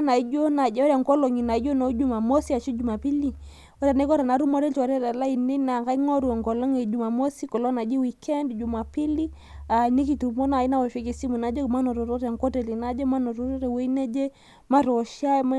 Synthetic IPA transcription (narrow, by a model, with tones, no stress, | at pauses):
na˨i˦d͡ʒo˦na˨d͡ʒɔ˦ɾa˨ŋkɔ˦lɔ˨ŋi˨na˨i˦d͡ʒo˦na˨u˦d͡ʒu˦ma˨mo˦si˦a˨t͡ʃi˦d͡ʒu˨ma˨pi˦li˨ | ɔ˦ɾa˨na˦kɔ˦ɾa˨na˨ɾu˦mɔ˦ɾɛ˦tɔ˨ɾɛ˦ɾɛ˨la˦i˨ni˦na˨ka˦i˦ŋɔ˦ɾu˨ɔ˨ŋɡɔ˨lɔ˦ŋe˨d͡ʒu˨ma˨mo˦si˦kɔ˨lɔ˦na˨d͡ʒi˦wi˨kʰɛ˦ndd͡ʒu˨ma˨pi˦li˦ | a˨ni˦ki˨tu˨mɔ˦na˨i˦na˦wɔ˨ʃe˦ki˨si˦mu˨na˦d͡ʒɔ˦ma˦nɔ˨ɾɔ˨ɾɔ˦ɾa˨ŋkɔ˦tɛ˨li˨na˦d͡ʒɔ˦ma˦nɔ˨ɾɔ˦ɾɔ˦ɾɛ˨wɛ˦i˦nɛ˦d͡ʒɛ˦ | ma˦ɾɔ˨ʃa˦m˦